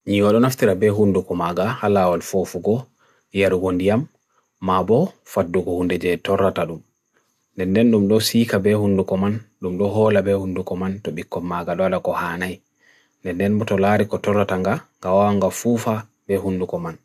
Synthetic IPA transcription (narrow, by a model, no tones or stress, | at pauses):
ɲiwaɗɔnaftiɾabɛɦundukɔmaɡahalawalfofuɡɔ | jaɾuɡondijamː | abɔfadːuɡɔhundɛd͡ʒɛtɔrːataɗum | ndɛndɛnɗumɗɔsiːkabɛhundukɔmanɗumɗɔɦɔlabɛhundukɔmantɔɓikːɔmaɡaɗɔaɗakɔhanaj | ndɛndɛnbɔtɔlaɾikɔtɔrːataŋɡaŋɡawawaŋɡafuːfa | bɛhundukɔman